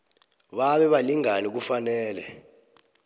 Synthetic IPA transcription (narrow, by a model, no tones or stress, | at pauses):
ɓaɓɛɓaliŋanik̬ufanɛːlɛ̰